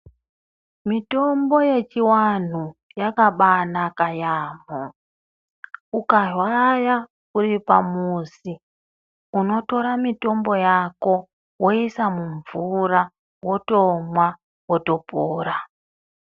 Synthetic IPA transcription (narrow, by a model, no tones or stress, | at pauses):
mito̞mbo̞je̞t͡ʃiwan̤u | jakaɓanakajaːmo | ukarwaja | kuɾipamusi | uno̞to̞ɾamito̞mbo̞jako̞ | wo̞isamuɱvuɾa | wo̞to̞mwa | woto̞poːɾa